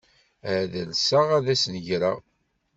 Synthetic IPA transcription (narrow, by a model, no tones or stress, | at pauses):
æðəlsaʁæðæsnəʝɾa̰